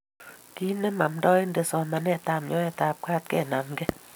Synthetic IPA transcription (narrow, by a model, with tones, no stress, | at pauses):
ki˦nɛ˦ma˨mdɔː˦i˦nde˨sɔ˧na˨nɛ˦˨taː˨mjɔ˦ɛ˦˨taː˨p̚kaː˦t̚kɛ̰˦˨na˨mɡe˦